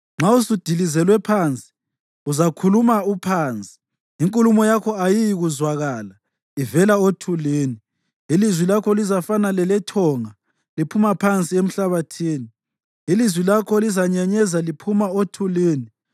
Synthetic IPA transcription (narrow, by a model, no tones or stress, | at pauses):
ŋ͡ǁausud̥ʱilizɛlwɛpʰant͡sʼi̥ | uzakʰulumaupʰaːnt͡sʼi̥ | iŋkʼulumɔjakʰɔajijiɣuzwaɣaːla | ivɛlaotʰuleːni | ilizwilakʰɔlizafanalɛlɛtʰɔŋa | lipʰumapʰant͡sʼiem̩ɬaβatʰiːni | ilizwilakʰɔlizaɲaɲɛzalipʰumaotʰuleːni